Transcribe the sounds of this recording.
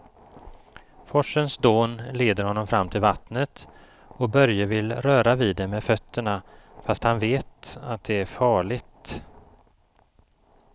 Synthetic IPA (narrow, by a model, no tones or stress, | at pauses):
fɔʂːənsd̪oːnleːd̪əɾhɔnːɔmfɾamːt̪ʰɪlvat̪nət̪ | ɔbœɾjəvɪlɾœːɾaviːd̪ɛmːɛfœt̪ʰːəɳafast̪hanveːt̪at̪̚d̪ɛæɾfɑːɭɪɡt̪